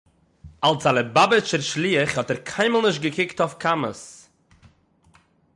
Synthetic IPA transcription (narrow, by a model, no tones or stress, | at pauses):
alˠsalˠəbabɪt͡ʃəɾʃlˠiːəχhɔtɛɾkʰaɪməlˠnɪʃ̬tɡəkʰɪktafkʰamə̰s